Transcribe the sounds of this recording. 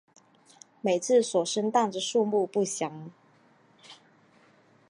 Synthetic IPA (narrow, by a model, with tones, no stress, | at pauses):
me˨˩ɪt͡sʰɹ̩˥˨swɔ˨˩ʂə˥ŋt̪ɑ˥˩ŋdə˨˩ʂu˥˧mu˥˧pu˥˩ɕjɑ˨˥˦ŋ